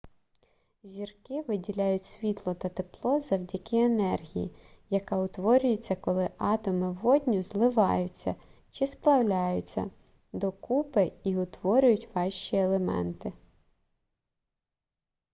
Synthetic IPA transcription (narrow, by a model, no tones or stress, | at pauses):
zʲirkɪʋɪdʲilʲajʊtʲsʲʋʲit̪lˠɔt̪ɐt̪eplˠɔzɐwdʲɐkɪenɛrɦʲḭjḭ | jɐkɑʊt̪ʋɔɾʲʊjʊt͡sʲːɐkɔlˠɪʔɑt̪ɔmɪʋɔdʲnʲʊzlˠɪʋɑjʊt͡sʲːɐ̰ | t͡ʃɪsplˠɐwlʲajʊt͡sʲːɐ̰ | d̪ɔkupɪiʊt̪ʋɔɾʲʊjʊtʲʋɑʃt͡ʃielˠemɛ̰nt̪ɪ